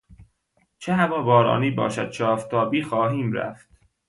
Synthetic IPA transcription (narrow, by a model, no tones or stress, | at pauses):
t͡ʃʰeɦævɒːbɒːɾɒ̰ːniːbɒ̰ːʃæ̰d̪̥̚t͡ʃʰɒːft̪ʰɒːbiːxɒːɦiːmɾæ̰ft̪